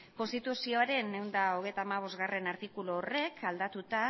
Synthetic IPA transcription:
ko̞nst̪it̪usio̞aɾe̞ne̞wnd̪aoɣ̞e̞jt̪aːmaβ̞o̞zɣare̞naɾt̪ikuloːre̞kʰald̪at̪ut̪a

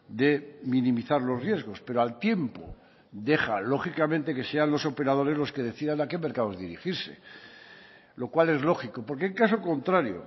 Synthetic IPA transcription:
d̪e̞mĩnĩmiθaɾlo̞zrje̞zɣ̞o̞spe̞ɾoalt̪je̞mpo̰ | d̪e̞χa̰lo̞χikamẽnt̪e̞ke̞se̞anlo̞sope̞ɾað̞o̞ɾe̞zlo̞ske̞ð̞e̞θiðanake̞me̞ɾkaðoezðiɾixiɾse̞̰ | lo̞kwale̞zlo̞xiko̞po̞ɾkeŋkaso̞kont̪ɾaɾjo̰

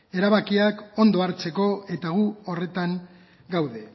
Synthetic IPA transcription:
e̞ɾaβakiako̞nd̪o̞aɾt͡se̞ko̞e̞t̪aɣ̞uore̞t̪aŋ | ɡawðe̞

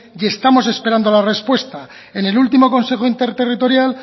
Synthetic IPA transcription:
je̞st̪amo̞s̬e̞spe̞ɾand̪olare̞spwe̞st̪a | e̞ne̞lult̪imo̞ko̞nse̞xoint̪eɾt̪erit̪o̞ɾjal

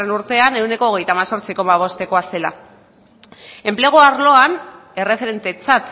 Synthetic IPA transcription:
enuɾt̪e̞ane̞wne̞ko̞ːɣ̞e̞jt̪amaso̞ɾt͡siko̞maβ̞o̞st̪e̞ko̞ase̞la̰ | e̞mpleɣ̞oaɾlo̞ane̞re̞fe̞ɾe̞nt̪e̞t͡sat̪

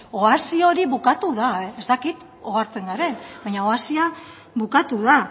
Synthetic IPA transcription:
o̞asio̞ɾiβukat̪uðaezt̪akit̪ | oaɾt͡se̞ŋɡaɾe̞nbaɲaoasia | βukat̪uða

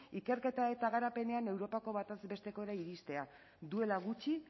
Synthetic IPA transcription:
ike̞ɾke̞t̪ae̞t̪aɣ̞aɾape̞ne̞ane̞wɾo̞pako̞βat̪azbe̞st̪e̞ko̞eɾaiɾist̪e̞a | d̪ue̞laɣut͡ʃi

